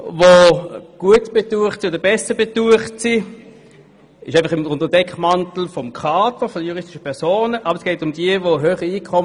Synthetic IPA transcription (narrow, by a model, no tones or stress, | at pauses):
voɡ̥uətb̥etuːəχtsioːdəbɛsəbetuəχtsi | ɪʃaɪfχɪmʊntəd̥ɛkχmantl̩fɔmkʰaːtəfɔdəjuʁɪstɪʃə̥pʰɛɐsoːnəʔɑbʁsɡ̥ɛɪtʊmdiəvoɦøːχiiːkʰɔm